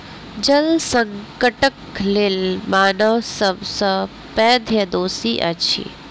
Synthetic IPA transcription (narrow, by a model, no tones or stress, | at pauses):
d͡ʒɐlsɐ̃ŋkəʈəklɪlmaːnəʋsəbsə | pɛːd̪ʱjɐd̪oːsiʔɐt͡ʃʰḭː